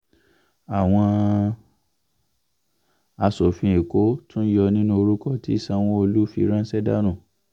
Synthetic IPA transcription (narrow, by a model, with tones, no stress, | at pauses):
a˨w̃ɔ̃˧ | a˧so˨fĩ˧e˨ko˨˦tũ˦jɔ˧nĩ˦nũ˦o˧ɾu˦kɔ˦ti˦˨sa˧w̃ɔ̃˦o˧lu˦fi˧˦ɾã˦sɛ˦da˦ɾ̃ũ˦˨